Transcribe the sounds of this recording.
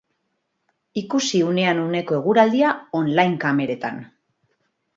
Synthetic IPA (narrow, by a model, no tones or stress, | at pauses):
ikusiune̞anune̞ko̞e̞ɣuɾald̪iao̞nlajŋkame̞ɾe̞t̪a̰n